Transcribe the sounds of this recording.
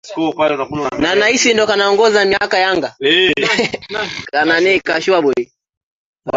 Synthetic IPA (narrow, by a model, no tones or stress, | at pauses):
kɔpalɛnakunanaisindɔkanaɔŋɡɔzamiakajaŋɡa | kananɛkaʃuaɓɔi